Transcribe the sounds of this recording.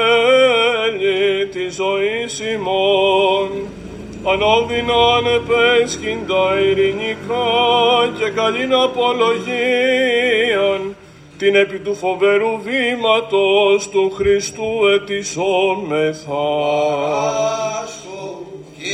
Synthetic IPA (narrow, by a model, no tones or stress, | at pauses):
ʎit̪izo̞isimon | ɐnoðinɐne̞pescind̪ɐiɾinikɐce̞kɐʎinɐpo̞loʝi | ɐn | t̪ine̞pit̪ufo̞ve̞ɾuvimɐt̪o̞st̪uxɾist̪ue̞t̪isomeθɐ